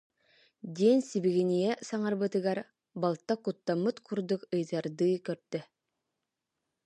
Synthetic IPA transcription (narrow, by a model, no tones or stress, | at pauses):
d̪iɛnsibiɡinijɛsaŋaɾbɯt̪ɯɡaɾ | balˠt̪ːakut̪ːamːɯt̪kʰuɾd̪ukɯjðaɾd̪ɯkœɾt̪ːœ